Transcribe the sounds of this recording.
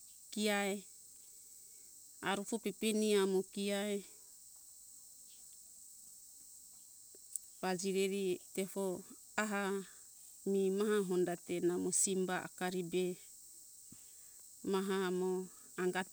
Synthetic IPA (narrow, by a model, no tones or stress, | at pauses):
kiae | aɾufopepeniamokiae | βad͡ʒiɾeɾiteho | aɦa | mimaɦaɦondatenamosimbaa̰kaɾibe | maɦamo | aŋɡa